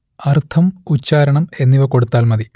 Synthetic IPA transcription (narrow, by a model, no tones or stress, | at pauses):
ɐrt̪ʰɐmut͡ɕːaːɾɐɳɐme̞nːiʋɐko̞ɽut̪ːaːlmɐði